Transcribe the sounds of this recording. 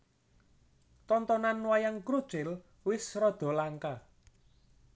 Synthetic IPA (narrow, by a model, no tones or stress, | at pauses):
t̪ɔnt̪ɔnanwajaŋkɾud̥ʒ̥ɪl | wɪsrɔd̪̥ɔ̤laŋka